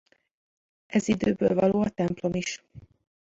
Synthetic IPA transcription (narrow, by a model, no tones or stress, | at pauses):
ɛzid̪øːbø̰ːlvɒloːɒt̪ɛmplo̞miʃ